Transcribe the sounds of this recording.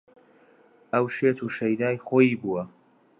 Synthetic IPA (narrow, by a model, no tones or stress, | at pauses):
ɐwʃeːt̪ʰuːʃɐjdaːjχoːjiːbuːwɐ